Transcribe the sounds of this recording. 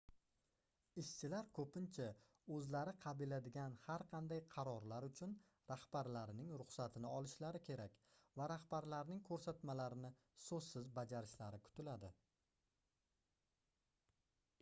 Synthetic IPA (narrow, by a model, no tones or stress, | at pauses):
ɪʃt͡ʃʰɪlaɾkʰɵpɪnt͡ʃʰa | ɵzlaɾɪqʰɑbɪlad̪ɪɡʲanhaɾqʰɑnd̪ajqʰɑɾɒɾlaɾʊt͡ʃʰʊn | ɾahbaɾlaɾɪnɪŋɾʊχsat̪ʰɪnɪɒlˠɪʃlaɾɪkʲʰe̞ɾakʲvaɾahbaɾlaɾnɪŋkʰɵɾsat̪malaɾɪnɪ | sɵzsɪzbad͡ʒaɾɪʃlaɾɪkʰʊ̥t̪ʰɪlad̪ɪ